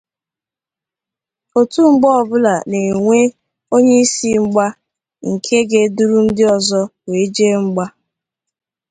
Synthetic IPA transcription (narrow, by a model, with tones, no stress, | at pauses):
o˨tu˦ŋ͡m̩˦ɡ͡bɔ˦ɔ˨bʊ˦la˨ne˨ŋʷe˦ | o˦ɲe˦i˦si˦ŋ͡m̩˦ɡ͡ba˦ | ŋ̩˨kʰe˦ɡe˦du˦ɾu˦n̩˦dɪ˦ɔ˨zɔ˦we˨˦d͡ʒe˦ŋ͡m̩˦ɡ͡ba˦